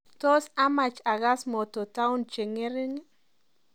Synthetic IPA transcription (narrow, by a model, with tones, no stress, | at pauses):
to˦sa˦ma˨t͡ʃa˨ɣa˦smɔ˨to˨ta˦u˦nt͡ʃe˨ŋe˦ɾɪ˦ŋ˦